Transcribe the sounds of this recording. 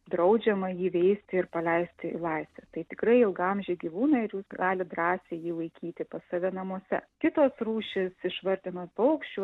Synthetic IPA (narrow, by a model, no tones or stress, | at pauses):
d̪ɾɐʊd͡ʒʲɛmɐjiːʋʲɛɪsʲt̪ʲɪɪɾpɐlʲɛɪsʲt̪ʲɪ̰lˠɐɪsʲʋʲɛt̪ɐɪt̪ʲɪkɾɐɪɪlˠɡɐmʲʒʲeːɡʲiʋuːnɐɪɾjuːsɡɑːlʲɪd̪ɾɑːsʲeːjiːlˠɐɪkʲiːt̪ʲɪpɐssɐʋʲɛnɐmuɔsʲɛ̰kʲɪt̪oːsruːʃʲɪsɪʃʋɐɾʲt̪ʲɪnoːt̪pɐʊkʃʲt͡ʃʲuː